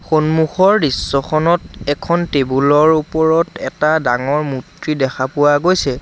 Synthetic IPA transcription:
xonmuxɔɹdisːɔxʰɔnɔtɛkʰɔntebulɔɹupɔɹɔtɛtadaŋɔɹmutɹidɛkʰapʊwaɡojsɛ

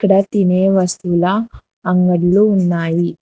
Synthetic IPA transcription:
kːɐɽɐt̪ineːʋɐst̪ulɐː | ŋɡɐɽluːnːaːji

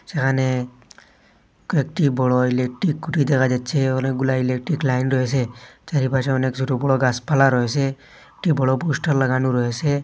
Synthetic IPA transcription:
sekʰane | kekʈibɔɽɔilek̚ʈɾikːuʈid̪ɛkʰad͡ʒatːt͡ʃʰeɔnek̚ɡulailek̚ʈɾiklajnɾɔɦeset͡ʃaɾipat͡ʃʰaɔneksuʈubɔɭɔɡaspʰalaɾɔɦese | ekʈibɔɽɔbusʈaɾlaɡanuɾɔɦese

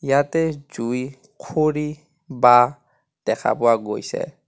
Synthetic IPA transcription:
jatɛd͡ʒui | kʰoɾi | ba | d̥ɛkʰa̰pɔwaɡojsɛ̰

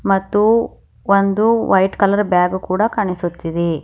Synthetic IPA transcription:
mɐt̪ːu | ond̪uʋɐjʈkɐlɐɾbjaːɡukuːɽɐkɐɳisut̪ːid̪e

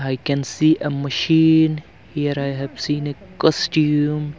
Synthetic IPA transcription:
aɪkɛ̃nsiʔəməʃiːn | hiəɾaɪɦɛv̥sĩːnəkɔstjum

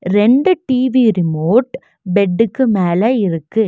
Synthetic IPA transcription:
ɾɛɳɖɯʈiːʋiɾɪmoːʈ | bɛɖːɯkːɯmeːlɐɪɾɯkːɯ

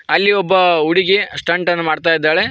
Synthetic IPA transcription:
ɐlːiɔbːɐuɽiɡesʈɐɳʈɐnːɐmaːɽt̪aːjid̪ːaːɭe

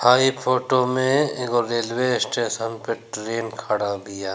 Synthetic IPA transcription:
haːipʰoːʈomẽeɡoɾeːlʋesʈeːʃənpeʈɾeːnkʰaɽabɪjaː

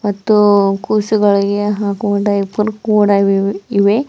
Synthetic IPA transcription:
mɐt̪ːukuːsuɡɐɭiɡeɦaːkuːɖɐipuɾkuːɽɐʋiʋe

